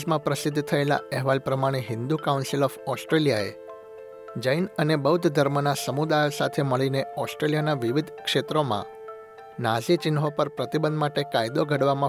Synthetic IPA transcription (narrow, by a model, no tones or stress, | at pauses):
mãpɾəsɪd̪ʱːt̪ʰəela̰ɛɦʋalpɾəmaɽ̃eɦɪnd̪ukaunsilɔfɔsʈɾelijaḛ | d͡ʒəjnənebəud̪ʰd̪ʱəɾmənasəmud̪ajosat̪ʰeməɭineɔsʈɾeljanaʋiʋid̪ʱkʂet̪ɾomã̰ | nasit͡ʃɪnɦopəɾpɾət̪ibənd̪maʈekajd̪oɡʱəɽʋamã